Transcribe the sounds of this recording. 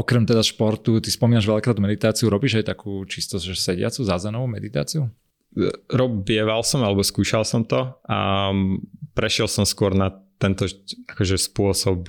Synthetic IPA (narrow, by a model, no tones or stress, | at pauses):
ʔɔkɾɛmt̪ɛd̪aʃpɔɾt̪ut̪ispɔmiːnaʒʋɛlʎakɾaːd̪mɛd̪it̪aːt͡siuɾɔbiːʒajt̪akʰuːt͡ʃist̪ɔʒɛsɛɟɪa̰t͡suzazɛnɔʋuːmɛd̪it̪a̰ːt͡siu | ɾɔbɪɛʋalsɔmalɛbɔskuːʃalsɔmt̪ɔa̰ | pɾɛʃɪɛlsɔmskʊɔɾnat̪ːɛnt̪ɔakɔʒɛspʊɔsɔp̚